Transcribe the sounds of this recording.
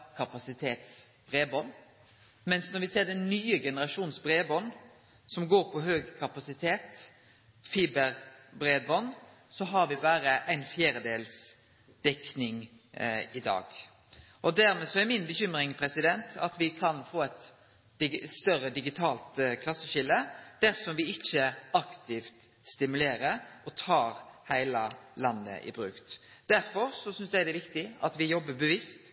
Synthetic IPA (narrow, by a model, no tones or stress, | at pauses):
kʰɑpɑsɪt̪ʰeːt̪sb̥ʁeːbɔnː | mɛnsnɔɾʋɪseːɾd̪ɛnːyːəɡɛnəɾɑʂuːnsbɾeːbɔnː | sɔmɡoːɾpʰɔɦøːɡkʰɑpɑsɪt̪ʰeːt̪ | fiːbəɾbɾeːd̪bɔnː | sɔɦɑɾʋɪbæːɾəʔæɪnfjæːɾəd̪eːls | d̪̥ɛknɪŋ | ɪd̪ɑ̰ːɡ | ʔɔd̪æɾmɛːsɔæɾmɪnbəçʏmɾɪŋpʰɾɛsɪd̪ɛnt̪ɑ̰t̪ʋɪkʰɑnfoːæt̪ | ɪst̪œɾəd̪ɪɡɪt̪ʰɑːlt̪kʰlɑsːəɕɪləd̪̥æɾsɔmʋɪɪçːəɑkt̪ʰɪft̪ | st̪ɪmʉleːɾəɾɔt̪ʰɑːɾhæɪlɑlɑnːə̰ʔɪ̰bɾʉ̰ːkt̪ | d̪æɾfɔɾsɔsʏnsd̪æɪd̪ɛʋɪkt̪ɪɑt̪ʋɪjɔbːəbəʋɪst̪